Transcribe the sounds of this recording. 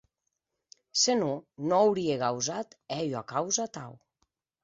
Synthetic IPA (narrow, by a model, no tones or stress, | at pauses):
senunoawɾieɣawzat̪ɛʎoakawzat̪a̰w